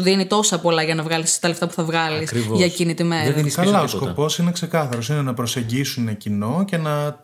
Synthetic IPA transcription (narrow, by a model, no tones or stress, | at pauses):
ðinit̪o̞sɐpo̞lɐʝɐnɐvɣɐlist̪ɐleft̪ɐpu̥θɐvɣɐlisɾivʝɐcinit̪imeɾɐkɐlɐosko̞po̞sinekse̞kɐθɐɾo̞sinenɐpɾo̞se̞ɲɟisunecino̞ce̞nɐ